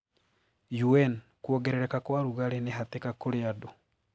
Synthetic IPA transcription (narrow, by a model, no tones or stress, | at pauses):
juɛn | kuɔɡɛɾɛɾɛkakwaɾuɣaɾeneɦatekakoɾeado